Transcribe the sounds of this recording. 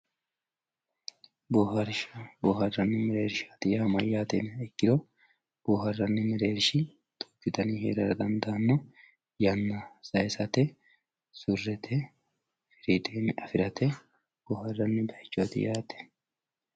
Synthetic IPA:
bohɐɾboːhɐrːɐnːɪmɪɾeːɾʃḁːt̪ɪjaːmɐjaːt̪ḛnɛkːɪd̪o | b̥oːɦɐrːɐnːɪmɪɾeːɾʃɪ | t̪ʼɔ̥kːɪt̪ɐniːhḛːɾɐɾɐd̪ɐnd̪ɐːnːɔ | jɐnːɐsɐjsɐt̪ɛ | sʊrːɛt̪ʰɛ | fɪɾit̪ʼeːnɐfɪɾɐt̪ɛ | b̥oːhɐrːɐnːɪd̪ɐjt͡ʃːot̪ɪ̰jaːt̪ɛ̥

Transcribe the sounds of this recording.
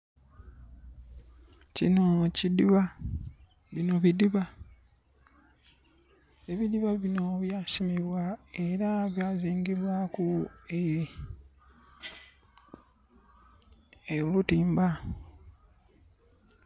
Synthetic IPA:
cinocidiβa | βino̞βidiβa | eβidiβaβino̞βjaːsimiβwaeɾaβjaːziːŋɡiβwakue | elutiːmba

